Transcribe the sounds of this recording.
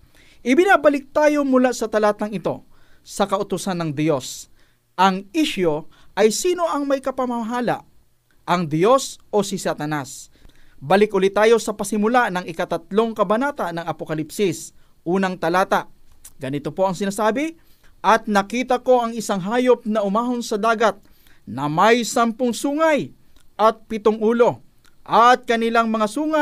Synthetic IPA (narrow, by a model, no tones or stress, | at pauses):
ʔɪbɪnaːbɐlɪk̚t̪aːjo̞mʊlasɐt̪ɐlaːt̪ɐŋɪt̪o̞̰ | sɐkɐʔʊt̪ʊsanːɐŋd̪jo̞s | ʔɐŋiʃo̞ʔɐjsiːno̞ʔɐŋmɐjkɐpɐmɐmɐɦaːla̰ʔ | ʔɐŋd̪jo̞sʔo̞sɪsat̪ɐnas | bɐlɪkʔʊlit̪aːjo̞sɐpɐsɪmʊlanɐŋɪkɐt̪ɐt̪lo̞ŋkɐbɐnaːt̪ɐnɐŋɐpokɐlipsɪs | ʔuːnɐŋt̪ɐlaːt̪aʔɡ̥ɐnɪt̪o̞po̞ʔɐŋsɪnaːsaːbɪʔɐt̪̚nɐkiːt̪ɐko̞ʔɐŋɪsaŋɦaːjo̞p̚nɐʔʊmaːɦo̞nsɐd̪aːɡɐt̪̚ | nɐmɐjsɐmpoŋsuːŋɐj | ʔɐt̪̚pɪt̪oŋʔuːlo̞ | ʔat̪̚kɐnɪlaŋmɐŋasuːŋa